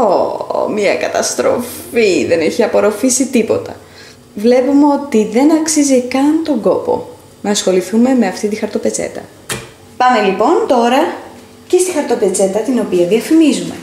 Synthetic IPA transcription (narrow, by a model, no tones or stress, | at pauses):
omɲɐkɐt̪ɐst̪ɾo̞̰fiðe̞ne̞çiɐpo̞ɾo̞fisit̪ipo̞t̪ɐ̰ | vle̞pumeo̞t̪iðe̞nɐksizikɐnt̪o̞ŋɡo̞po̞̰ | nɐsxo̞liθume̞meɐft̪it̪ixɐɾt̪ope̞t͡se̞̰t̪ɐ̰ | pɐmelipo̞nt̪o̞ɾɐ | cest̪ixɐɾt̪ope̞t͡se̞t̪ɐt̪ino̞piɐðiɐfimizume̞̰